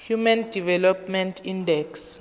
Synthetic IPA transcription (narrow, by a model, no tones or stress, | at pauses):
hjumandʱivɛlɔp̚ʰmɛ̃ntʰindɛks